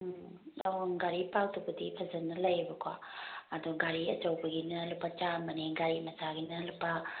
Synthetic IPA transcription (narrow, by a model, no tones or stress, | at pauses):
anɡaɾipawtʰubɐdipʰɐzɐnːɐlɐjbɐkʰwa̰ːduɡaɾiɐ̰t͡ʃɐwbɐɡinɐlupːɐt͡ʃamɐneɡaɾimɐsaɡinɐlupːa